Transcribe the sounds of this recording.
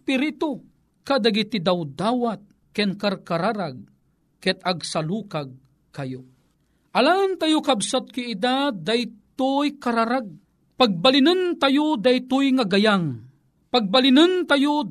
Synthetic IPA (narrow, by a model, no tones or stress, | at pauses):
piɾit̪o | kad̪aɡɪt̪id̪awd̪aːwat̪̚ | kɛnkarkaɾaɾaɡ̚ | kɛt̪aɡsalukaɡ̚ | kajo | ʔalant̪ajokabsat̪̚kiːd̪ad̪ajt̪ʊjkaɾaɾaɡ̚ | paɡ̚balɪnənt̪ajod̪ajt̪ʊjŋaɡajaŋ | paɡ̚balɪnənt̪ajo